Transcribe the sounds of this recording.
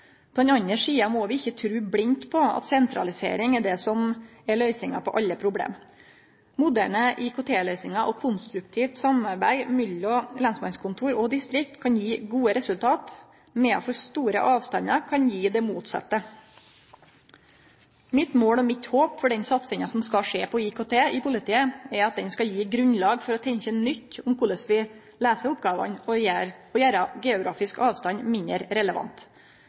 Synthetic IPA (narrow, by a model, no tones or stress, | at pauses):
pʰɔd̪ɛnɑnːəʂiːɑmɔːʋɪɪçːət̪ʰɾʉːblɪnt̪pʰɔɑ̰t̪sɛnt̪ɾɑ̰lɪsḛːɾɪŋɛɖ̪ɛsɔmɛɭœʏsɪŋɑ̰pʰɔʔɑlːəpʰɾʊblḛːm | mʊd̪æ̰ɳəʔɪkʰʊt̪ʰeːlœʏsɪŋɑʔɔkʰʊnst̪ɾʉk̚t̪ʰiːft̪sɑmɑɾbæɪmʏlɔlɑnsmɑnskʰʊnt̪ʰuːɾɔd̪ɪst̪ɾɪk̚t̪kʰɑnjiːɡuːəɾɛsʉlt̪ʰɑːt̪ | mɛɑ̰fɔɾst̪uːɾə̰ʔɑːʋst̪ɑnɑkʰɑnjiːd̪ɛmuːt̪sɑ̰t̪ːə | mɪt̪moːlɔmɪt̪hoːpfɔɖɛnsɑt̪sɪŋɑsɔmskɑʂeːpʰɔɪkʰoːt̪ʰeːɪpʰʊlɪt̪ʰiːəɛɾɑt̪̚d̪ɛnskɑjiːɡɾʉnlɑːɡfɔɾɔt̪ʰɛɲçənʏt̪ːʊmkʰʊləsʋɪ | læːsəɾʊp̚ɡɑːʋɑ̰nɔjæːɾɔjæːɾɑɡɛːʊɡɾɑ̰ːfɪskɑːʋst̪ɑnmɪnəɾɾɛləʋɑ̰nt̪